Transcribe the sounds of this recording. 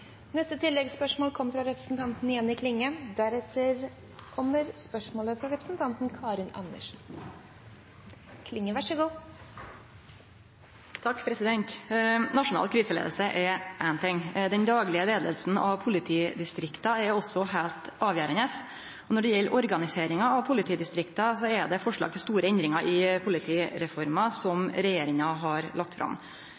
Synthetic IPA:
nɛst̪ət̪ʰɪlːɛɡspœʂmoːlkʰɔmːəɾfɾɑɾɛpɾəsn̩t̪ʰɑnt̪n̩ɪjɛnːɪkʰlɪŋːəd̪æɾɛt̪ʰəɾ | kʰɔmːəɾspœʂmoːləfɾɑɾɛpɾəsn̩t̪ʰɑnt̪n̩kʰɑːɾɪnɑ̰nːə̰ʂn̩ | kʰlɪŋːəʋæʂəɡuː | t̪ʰɑkːpʰɾɛsɪd̪ɛnt̪nɑʂʊnɑ̰ːlkʰɾiːsəlḛːd̪əlsəʔɛɾʔæɪnt̪ʰɛŋːd̪ɛnd̪ɑːɡlɪəleːd̪ə̰lsn̩ʔɑʋpʰʊlɪt̪ʰiːd̪ɪst̪ɾɪkt̪ɑɛɾɔsːɔhælt̪ɑːʋjæːɾənəs | ɔnɔɖɛjɛlːʔɔɾɡɑnɪseːɾɪŋɑɑʋpʰʊlɪt̪ʰiːd̪ɪst̪ɾɪkt̪ɑsɔɛɖ̪ɛfɔʂɭɑ̰ːɡt̪ʰɪlst̪uːɾəɛnd̪ɾɪŋɑʔɪpʰʊlɪt̪ʰiːɾɛfɔɾmɑsɔmɾɛjeːɾɪŋɑɦɑɾlɑk̚t̪fɾʔɑ̰m

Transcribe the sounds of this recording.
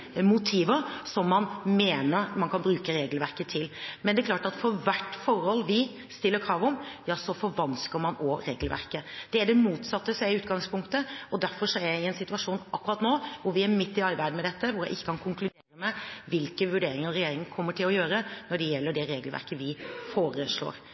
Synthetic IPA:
mʊt̪ʰiːʋəɾsɔmːɑnmeːnəɾmɑnkʰɑnbɾʉːkəɾeːɡlʋæɾkət̪ʰɪlmɛnd̪ɛæklɑːʈɑt̪fɔɾʋæʈːfɔɾhɔlːʋɪ | st̪ɪlːəɾkʰɾɑːʋɔmjɑːsɔfɔɾʋɑnskəɾmɑnɔɾḛːɡəlʋæ̰ɾkəd̪̥ɛæɖɛmuːt̪sɑt̪ːəsæɪʉːt̪ɡɑŋspʰʊŋkt̪əɔd̪æɾfɔɾʂɔæɾɪɛnsɪt̪ʉɑʂuːnɑkːʉɾɑːt̪noːʋʊɾʋɪæɾmɪt̪ːɪɑɪbæɪd̪əmɛd̪ɛt̪ːəʋʊɾjæɪʔɪçːə̥kʰɑnkʰʊŋklʉd̪eːɾəmɛʋɪlkəʋʉɖeːɾɪŋəɾɛjeːɾɪŋkʰɔmːəʈʰɪlɔjøːɾənɔɖɛjɛlːəɖɛɾeːɡlʋæ̰ɾkəʋɪfoːɾəʂɭo̰ːɾ

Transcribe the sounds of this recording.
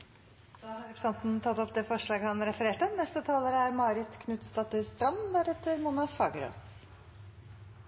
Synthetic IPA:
d̪̥ɑːhɑɾɛpɾəsɑnt̪n̩t̪ʰɑt̪ːɔpd̪ɛfɔʂɭɑːɡəhɑnɾɛfəɾeːʈənɛst̪ət̪ʰɑːləɾəæɾmɑːɾɪt̪kʰnʉt̪st̪ɑt̪əɾst̪ɾɑmd̪æɾɛt̪ːəɾmunɑfɑɡɾo̰ːs

